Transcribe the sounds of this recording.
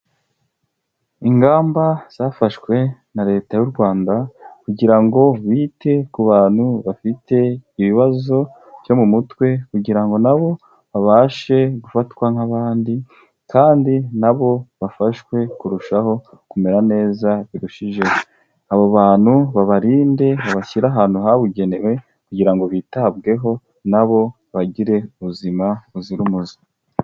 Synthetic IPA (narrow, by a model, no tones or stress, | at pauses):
iŋɡaːmbaz̥aːfaʃwe̞naɾe̞ːtajuɾɡwaːndakuɟiɾaŋɡo̞βiːte̞kuβaːn̥huβafitʰe̞iβiβazo̞ | vjo̞mumutwe̞kuɡiɾaŋɡo̞naβo̞ | βaβaːʃe̞ɡufatwaŋhaβaːndi | kaːndinaβo̞βafaʃwe̞kuɾuʃaho̞ | kume̞ɾane̞ːzaβiɾuʃiʒe̞ho | aβoβaːn̥huβaβaɾiːnde̞βaβaçiɾaɦaːnhuɦaβuɟe̞ne̞we̞ | kuɟiɾaŋɡo̞βitaːbɡe̞ɦo̞ | naβo̞ | βaɟiɾe̞uβuzimaβuziɾumuzi̥